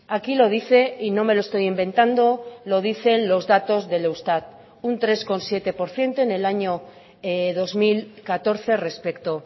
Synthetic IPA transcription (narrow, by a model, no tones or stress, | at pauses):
akilo̞ð̞iθe̞ino̞me̞loest̪o̞jimbe̞nt̪and̪o̞lo̞ð̞iθe̞nlo̞zðat̪o̞zðe̞lewst̪at̪ | unt̪ɾe̞sko̞nsje̞t̪e̞po̞ɾθje̞nt̪o̞ene̞laɲo̞ | ðo̞zmilkat̪o̞ɾθe̞re̞spe̞kt̪o̞